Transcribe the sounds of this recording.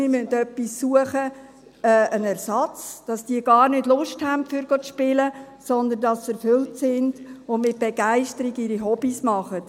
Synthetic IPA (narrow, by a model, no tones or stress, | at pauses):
mɪmyntœpːisːuəχə | ɛʔənæɾsɑt͡sd̥ɑsd̥iəɡɑːɾnʏdlʊʃthæntfyɾɡ̥ot͡sʃpɪlə | sɔnd̪əndɑsɛɾfʏltsɪnd̥ʊnmɪt̚b̥ɛɡ̥æɪʃtəɾiɡiɾiɦɔb̥ismɑχət